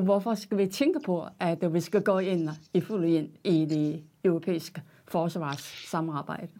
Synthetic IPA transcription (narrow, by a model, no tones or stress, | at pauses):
ʋɒfɒsɡ̥æʋit͡sʰeŋɡ̥əpʰɒ̽ʔæd̥ʋisɡ̥æɡ̥ɔ̰ːe̝n̰iful̰e̝n̰id̥e̝øʊʁo̝pʰḛːisɡ̥ə | fɒːsʋɑ̰̈ːsːɑ̈mɑ̈ːb̥ɑ̈ɪ̰d̥ə